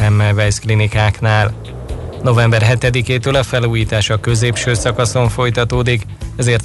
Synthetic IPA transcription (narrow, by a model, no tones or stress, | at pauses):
ɛmːɛlvɛjsklinikaːknaːl | no̞vɛmbɛrɦɛt̪ɛd̪ikeːt̪øːlɒfɛluːjiːt̪aːʃɒkø̞zeːpʃøːsɒkɒso̞ɱfo̞jt̪ɒt̪oːd̪ik | ɛzeːrt̪